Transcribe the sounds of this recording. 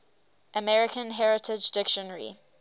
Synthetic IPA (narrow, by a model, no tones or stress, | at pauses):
ʔəmɛɹɪkʰə̃nɦɛɹɪtʰɪd͡ʒdɪkʃə̃nəɹḭ